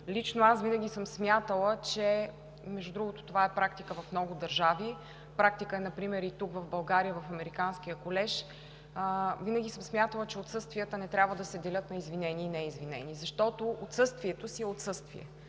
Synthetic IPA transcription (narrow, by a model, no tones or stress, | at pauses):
lit͡ʃnoasvinəɡʲisəmsmʲjat̪əlˠət͡ʃɛ | mɛʒud̪ɾuɡot̪o̥t̪ovaɛpɾak̚t̪ikəvɐfmnɔɡʊd̪ɐɾʒavi | pɾak̚t̪ikəɛnɐpɾimɛɾit̪ukvɐvbɐlˠɡaɾijəvɐfɐmɛɾikansk̟ijəkolɛʃ | vinəɡʲisəmsmʲjat̪əlˠət͡ʃɛot̪sɤst̪vijət̪ənɛt̪ɾʲabvəd̪ɐsɛd̪ɛlʲɤt̪nɐizvinɛniːnɛizvinɛ̰nizɐʃt̪ɔt̪oot̪sɤst̪viɛt̪osiɛot̪sɤst̪vḭɛ̰